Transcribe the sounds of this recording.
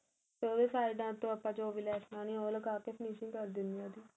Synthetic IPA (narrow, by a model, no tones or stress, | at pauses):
t̪eoːʋeːsaːɪɖãːt̪ːõːapːãːt͡ʃoːʋilɛːsnaːnĩːoːləkaːkefʰniːʃɪŋkəɾd̪ɪnd̪iãːd̪iː